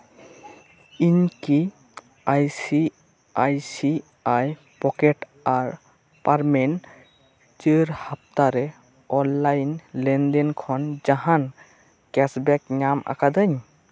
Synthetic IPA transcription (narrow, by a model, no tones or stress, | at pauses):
inki | ajsi | ajsi | aj | pɔkɛt | aɹ | paɹmɛn | teɾhap̚taɾɛ | ɔnːajnlɛndɛnkʰɔnzaɦan | kɛsbɛkɲama̰kadɯɲ